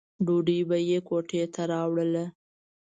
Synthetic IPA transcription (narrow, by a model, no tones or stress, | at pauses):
ɖuɖibajekoʈet̪aɾɑwɽəla